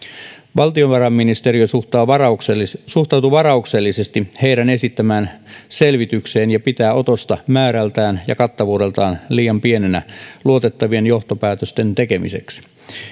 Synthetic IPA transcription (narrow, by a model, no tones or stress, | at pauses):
ʋɑlt̪io̞nʋɑrɑmːinist̪eɾiosut̪ɑː | suht̪ɑwt̪uʋɑɾɑukselːisest̪ihe̞jɾæne̞sit̪ːæmæːnse̞lʋit̪ykse̞ːnjɑpit̪æːʔo̞t̪o̞st̪ɑmæːɾælt̪æːnjɑ̰kɑt̪ːɑʋuːde̞lt̪ɑːnliːjɑmpie̞nenæ̰luo̞t̪et̪ːɑʋie̞njoht̪opæːt̪øst̪e̞nt̪eke̞mḭse̞̰ksi̥